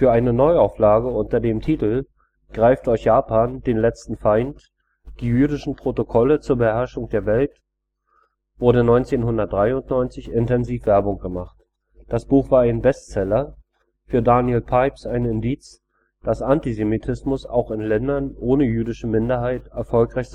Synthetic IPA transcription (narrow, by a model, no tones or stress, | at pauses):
fyːɐʔaɪnənɔʏaʊflaːɡəʔʊntɐdeːmtʰiːtl̩ | ɡ̥ʁaɪftɔʏçjaːpʰaːnd̥eːnlɛt͡stn̩faɪnt | d̥iːjyːɾɪʃn̩pʁ̥otokʰɔlət͡suːɐbəhɛɐʃʊŋd̥eːɐvɛlt | v̥ʊɐɾənɔʏnt͡seːnhʊndɐt̚d̥ʁaɪʊntnɔʏnt͡sɪçʔɪntɛnziːfv̥ɛɐbʊŋɡ̥əmaχt | d̥asb̥uːxv̥aːɐaɪnbɛstt͡sɛlɐ | fyːɐdaːnjelpʰaɪpsaɪnɪndiːt͡s | d̥asʔantizemitʰɪsmʊsa̰ʊxɪnlɛndɐnʔoːnəjyːdɪʃəmɪndɐɦaɪtʔɛɐfɔlkʁ̥aɪç